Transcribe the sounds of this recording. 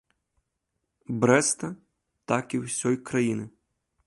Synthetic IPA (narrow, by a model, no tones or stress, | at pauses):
bɾɛst̪ɐ | t̪akiwsʲɔjkɾɐjinɪ